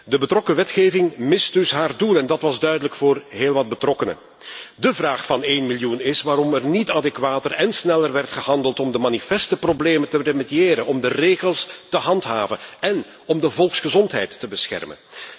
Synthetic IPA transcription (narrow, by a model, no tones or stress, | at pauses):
dəbətrɔkəʋɛtχeːvɪŋmɪsdɵsɦaːrdulˠɛndɑtʋɑzdœɥdələkfʊːrɦeːlˠʋɑd̚bətrɔkənə̰ | dəvraːxfɑneːnmiljunɪsʋaːɾɔmɛrnitaːdɛkʋaːtərɛnsnɛlərʋɛrtχəɦɑndəlˠtɔmdəmanifɛstəprobleːməntəremedieːɾənɔmdəreːɣəlˠstəɦɑntɦa̰ːvənɛn | ɔmdəvɔlˠksχəzɔntɦɛ̰jtːəbəsxɛ̰rmə̰n